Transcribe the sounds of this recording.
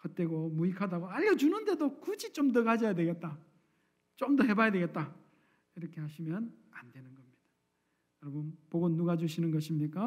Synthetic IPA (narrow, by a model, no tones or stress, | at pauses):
kʌt͈e̞ɡomuikʰadaɡoaʎːʌd͡ʑunɯnde̞dokud͡ʑit͡ɕ͈omdʌɡad͡ʑʌjadwe̞ɡe̞t̚t͈a | t͡ɕomdʌɦe̞bajadwe̞ɡe̞t̚t͈a | iɾʌkʰe̞ɦaɕʰimjʌn | andwe̞nɯnɡʌmɲid̥a | joɾʌbʌnpoɡonːuɡad͡ʑuɕʰinɯnɡʌɕʰimɲik͈a